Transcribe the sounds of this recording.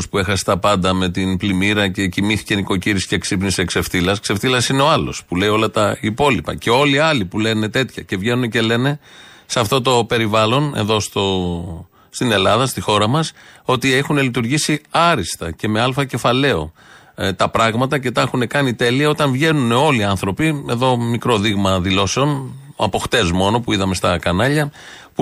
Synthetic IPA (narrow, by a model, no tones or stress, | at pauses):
spue̞xɐse̥t̪ɐpɐnd̪ɐme̞t̪inplimiɾɐce̞cimiθi̥ceniko̞ciɾisi̥ceksipnisekse̞fθilɐskse̞fθilɐsine̞o̞ɐlo̞̰spule̞jo̞lɐt̪ɐipo̞lipɐ̰ce̞o̞liɐlipule̞ne̞t̪e̞t̪çɐce̞vʝe̞nune̞ce̞le̞ne̞sɐft̪o̞t̪o̞pe̞ɾivɐlo̞ne̞̰ðo̞st̪o | st̪ine̞lɐðɐst̪ixo̞ɾɐmɐso̞t̪ie̞xune̞lit̪uɾʝisiɐɾist̪ɐ̰ce̞me̞ɐlfɐce̞fɐle̞o̞̰ | t̪ɐpɾɐɣmɐt̪ɐce̞t̪ɐxune̞kɐnit̪e̞liɐo̞t̪ɐɱvʝe̞nuneo̞liɐnθɾo̞pie̞ðo̞mikɾo̞ðiɣmɐðilo̞se̞o̞n | ɐ̰po̞xt̪e̞zmo̞no̞puiðɐme̞st̪ɐkɐnɐʎɐ | p